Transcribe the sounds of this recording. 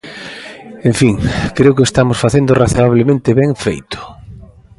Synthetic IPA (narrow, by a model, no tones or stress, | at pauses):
ẽɱfiŋkɾeʊkest̪amʊsfaθend̪ʊraθoaβ̞lemẽnt̪ɪβɛŋfejt̪ʊ̥